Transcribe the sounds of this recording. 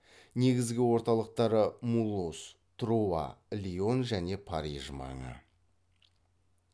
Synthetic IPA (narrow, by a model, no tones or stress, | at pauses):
ne̞ɡʲɪzɡʲɪwo̞ɾt̪ɑlˠəq̚t̪ɑɾəmulˠus | t̪ʰɾuaɑ̰lʲio̞nʒæne̞pʰɑɾiʒmɑ̰ɴə̰